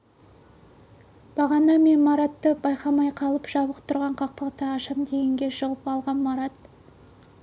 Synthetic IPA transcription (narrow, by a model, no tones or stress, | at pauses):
b̥ɑʁɑnɑme̞nmɑɾɑt̪ːəbɑjqɑmɑjqʰɑlˠəpʒ̥ɑbəq̚t̪ʰʊɾʁɑɴqʰɑq̚pɑqt̪ɑːʃɑmd̪e̞ɡʲɪŋɡʲe̞ʃəʁəpɑlˠʁɑnmɑɾɑt̪